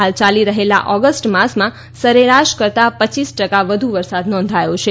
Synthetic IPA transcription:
ɦalt͡ʃaliɾəɦela̰ʔɔɡəsʈmasmã | səɾeɾaʃkəɾt̪apət͡ʃisʈəkaʋəd̪ʱuʋəɾsad̪nɔ̃nd̪ʱajõt͡ʃʰe

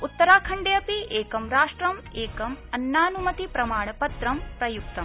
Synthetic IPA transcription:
ut̪ːɐɾaːkʰɐɳɖejɐpieːkɐmɾaːʂʈɾɐmeːkɐmɐnːaːnumɐt̪ipɾɐmaːɳ̃ɐpɐt̪ɾɐmpɾɐjuk̚t̪ɐm

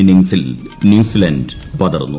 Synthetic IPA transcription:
iniŋsil | njuːsilɐnɖ | pɐðɐ̰rnːu

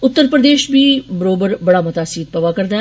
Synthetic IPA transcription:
ʊt̪ːəɾpɾəd̪eːʃbʱiːbəɾoːbəɾbɐɽaːmʊt̪aːsiːd̪̚pəʋaːkəɾd̪aː

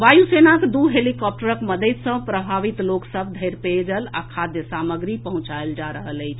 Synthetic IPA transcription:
ʋajusenakd̪uɦelikɔp̚ʈəɾəkməd̪ət̪sə̃pɾəbʱaʋit̪loksəb̚d̪ʱəjɾped͡ʒəla̰kʰad̪jəsaməɡɾipəɦũt͡ʃaeld͡ʒaɾəɦələjt͡ʃʰ

